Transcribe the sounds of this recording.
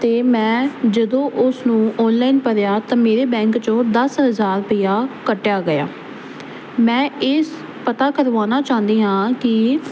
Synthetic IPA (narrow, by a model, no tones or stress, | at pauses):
t̪eːmɛ̃ːd͡ʒəd̪õːʔʊsnũːʔɔːnlaːinpəɾjaːt̪ãːmeːɾeːbɛ̃ːŋkt͡ʃõːd̪əsɦəzaːɾpəiːjaːkəʈːjaːɡəja̰ː | mɛ̃ːɪs | pət̪aːkəɾʋaːnaːt͡ʃãːnd̪iːɦãːkɪ